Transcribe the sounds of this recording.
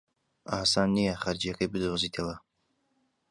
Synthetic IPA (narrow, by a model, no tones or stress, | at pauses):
ʔaːsaːnːijɐχɐɾd͡ʒijɐkɐjbɨd̪ozit̪ʰɐwɐ